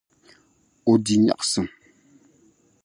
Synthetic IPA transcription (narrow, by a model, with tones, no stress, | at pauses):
o˨di˨ɲa̰˨ksɨ˨ŋ